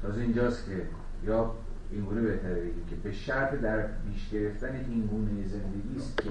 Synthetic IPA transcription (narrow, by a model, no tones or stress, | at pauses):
t̪ʰɒːzeind͡ʒɒːst̪cʲʰe | jɒː | iŋɡuːnebe̞ht̪ʰæɾebeɡikcʰebe̞ʃæɾt̪ʰd̪æɾpiːʃɡ̥ʲe̞ɾe̞ft̪æne̞ʔinɡuːnejeze̞nd̪e̞ɡʲiːst̪cʲʰe